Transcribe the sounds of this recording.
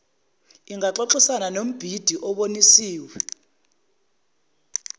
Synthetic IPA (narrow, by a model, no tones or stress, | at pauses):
iŋɡʱaǁɔǁisananom̩b̥ʱid̥ʱiʔɔɓonisiːwɛ